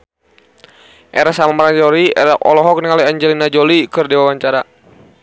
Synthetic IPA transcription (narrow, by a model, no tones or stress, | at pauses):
ʔɛɾasamamaɾaɲd͡ʒɔɾiɛɾaɔ̰lɔɦɔk̚niŋaliaɲd͡ʒɛlinad͡ʒɔlikɨrdiwawaɲt͡ʃaɾa